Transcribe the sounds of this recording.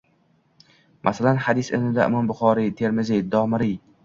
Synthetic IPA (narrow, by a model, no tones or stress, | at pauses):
mʔasalanhad̪ɪsɪnɪd̪aʔɪ̰mɒmbʊχɒːɾit̪ʰeɾmɪzijd̪ɒːmɪɾij